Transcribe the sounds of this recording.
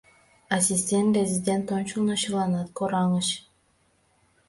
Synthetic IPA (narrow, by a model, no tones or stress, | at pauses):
asʲisʲt̪ʲent̪ɾʲezʲidʲent̪ont͡ɕulˠnɑɕɯlˠɑnɑt̪koɾɑŋɤʃ